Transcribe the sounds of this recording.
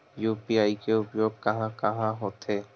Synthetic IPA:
jupiaːikeʊpjoːɡ̚kɐɦãkɐɦãɦot̪ɦe

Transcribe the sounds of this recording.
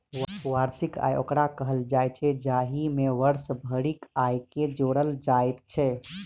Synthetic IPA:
ʋəsʋaɾsika̰jo̰kɾakəɦəld͡ʒajt͡ʃʰɛd͡ʒaɦimeʋəɾsbʱəɽikajked͡ʒoɽəld͡ʒajt̪t͡ʃʰɛ

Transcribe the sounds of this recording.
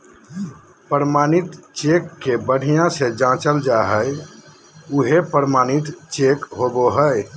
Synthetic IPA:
pəɾmanit̪t͡ʃekːebəɽ̤ijãsed͡ʒãt͡ʃəld͡ʒaɦəj | uɦepəɾmanit̪t͡ʃekɦoboɦəj

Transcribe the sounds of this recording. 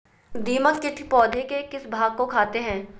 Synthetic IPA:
d̪iːməkt͡ʃɪʈʰpɔːd̪ʱekekɪsbʱaːɡ̚kokʰaːt̪eɦɛ̃ː

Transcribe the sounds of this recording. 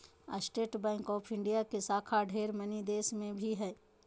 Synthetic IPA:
ə̰sʈeːʈbɛ̃ːŋkɔːpʰɪ̃ɳɖijakesaːkʰaɖʱeːɾmɐnid̪eːsmẽbʱiɦɛː

